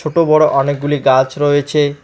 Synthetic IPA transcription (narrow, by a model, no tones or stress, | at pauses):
oʈobɔɽoʔɔnek̚ɡuliɡat͡ɕɾoet͡ɕʰe